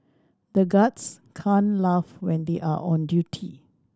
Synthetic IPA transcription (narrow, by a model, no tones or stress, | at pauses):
d̪əɡats | kʰãnlavwɛ̃nd̪eʔa̰ʔɔ̃ndjutʰi